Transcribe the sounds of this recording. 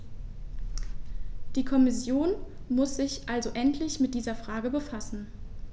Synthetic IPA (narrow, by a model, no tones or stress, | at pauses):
d̥iːkʰɔmɪsjoːnmʊsz̥ɪçʔalzoʔɛntʰlɪçmɪt̚d̥iːzɐfʁ̥aːɡəbəfasn̩